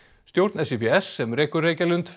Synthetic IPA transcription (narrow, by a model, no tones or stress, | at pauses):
st̪jowɾt̪nɛsepeɛsːɛmɾeːkʏɾreːjcalʏnt̪